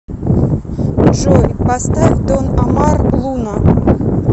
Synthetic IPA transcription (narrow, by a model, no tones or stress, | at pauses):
ʐojʲpɐst̪ad̪onɐmarblˠunə